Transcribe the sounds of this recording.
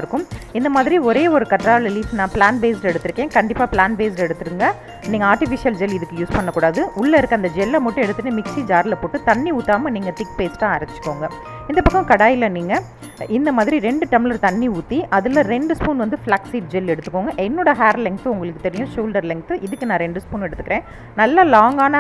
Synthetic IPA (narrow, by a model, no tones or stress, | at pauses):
ɾɯkːɯmɪnd̪ɐmaːðɪɾiɔɾeːɔɾɯkɐʈɾaːlɐliːsnãːplaːnbeːslɛɽɯt̪ːɯɾɯkːẽːkɐɳɖɪpːaːpɭlaːnbeːslɛɽɯt̪ːɯɾɯŋɡɐ | niːŋɡɐaːɾʈɪfɪʂɪjɐld͡ʒɛlɪðɯkːɯjuːspɐɳːɐkːuːɽaːðɯʔʊɭːɐɪɾɯkːɐnd̪ɐd͡ʒɛlːɐmɐʈːʊ̃ɛɽɯt̪ːɯʈːɯmɪksid͡ʒaːɾlɐpoːʈːɯt̪ɐɳːiuːt̪ːaːmɐniːŋɡɐt̪ɪkːpeːsʈːãːaːɾɐɪt͡ʃːɯ̥kːoːŋɡɐ | ɪnd̪ɐpɐkːɐ̃mkɐɽaːjɪlɐniːŋɡɐ | ʔɪnd̪ɐmaːðɪɾiɾɛɳɖɯʈ̪ɐmɪlɐɾt̪ɐnːiuːt̪ːiʔɐðɯlɐ̃ɾɛɳɖɯspuːnʋɐnd̪ɯfɭaksiːʈ̚d͡ʒɛlɛɽɯt̪ːɯ̥kːoːŋɡɐʔɛnːoːɽɐɦaːɾlɪŋɡ̚t̪ɯʊŋɡɐɭɯkːɯt̪ɛɾɪjʊ̃ʂuːlɖɐɾlɪŋɡ̚t̪ɯʔɪðɯkːɯnãːɾɛɳɖɯspuːnɛɽɯt̪ːɯkːɪɾẽː | nɐlːɐlaːŋɡaːnɐ